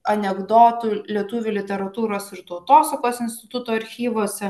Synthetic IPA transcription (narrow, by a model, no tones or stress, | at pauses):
ɐnʲɛɡd̪oːt̪ulʲiɛt̪uːʋʲʊlʲɪt̪ʲɛɾɐt̪uːɾoːsɪɾt̪ɔʊt̪oːsɐkoːsɪnsʲt̪ʲɪt̪ʊt̪oːɐɾʲxʲiːʋoːsʲɛ